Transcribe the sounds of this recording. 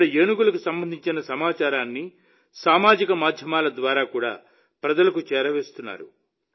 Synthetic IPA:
ɽɐeːnuɡulɐkusɐmbɐnd̪ʱiɲt͡ʃinɐsɐmaːt͡ʃaːɾaːnːi | saːmaːd͡ʒikɐmaːd̪ʱjɐmaːlɐd̪ʋaːɾaːkuːɽa̰ː | pɾɐd͡ʒɐlɐkut͡ʃɛːɾɐʋeːst̪unːa̰ːɾṵ

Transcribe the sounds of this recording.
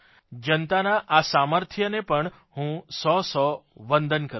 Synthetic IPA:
d͡ʒənt̪anaʔasaməɾt̪ʰjənepəɳ | hũsɔsɔʋə̃nd̪ʱənkəɾ

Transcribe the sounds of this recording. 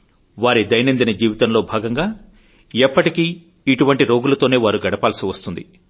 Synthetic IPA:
ʋaːɾid̪ɐjnind̪inɐd͡ʒiːʋit̪ɐmlo̞ːbʱaːɡɐŋɡaː | ɛpːɐʈikiː | ʈuʋɐɳʈiɾo̞ːɡulɐt̪o̞ːne̞ːʋaːɾuɡɐɽɐpaːlsiʋɐst̪und̪i

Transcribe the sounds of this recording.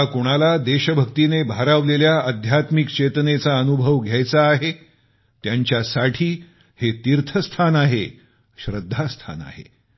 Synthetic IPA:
akoɽ̃alad̪eɕəbʱəkt̪inebʱaɾaʋleljaəd̪ʱjat̪mikt͡ɕet̪ənet͡saənubʱəʋɡʱjajt͡saːɦe | t̪jaɲt͡ɕjasaʈʰiː | het̪iɾt̪ʰəst̪ʰanaɦe | ɕɾəd̪ʱːast̪ʰa̰na̰ɦḛ

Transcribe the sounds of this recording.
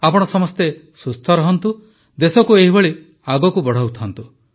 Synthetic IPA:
apɔɽ̃ɔsɔmɔst̪e | sust̪ʰɔɾɔɦɔnt̪u | d̪esɔkueɦibɔɭi | aɡɔkubɔɽ̤awt̪ʰɔnt̪u

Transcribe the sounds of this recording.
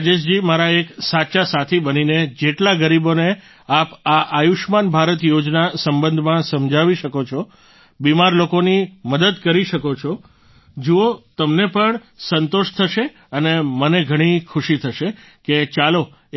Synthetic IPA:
d͡ʒeʃd͡ʒimaɾaeksat͡ʃasat̪ʰibənined͡ʒeʈlaɡəɾibone | apaʔajuʃmanbʱaɾət̪jod͡ʒnasəmbə̃nd̪ʱmãsəmd͡ʒʱaʋiʃəkot͡ʃʰɔ | bimaɾlokoniməd̪əd̪kəɾiʃəkot͡ʃʰɔ | d͡ʒuot̪əmnepəɳ | sənt̪oʃt̪ʰəʃe | əneməneɡʱəɽ̃ikʰuʃit̪ʰəʃe | ket͡ʃalo

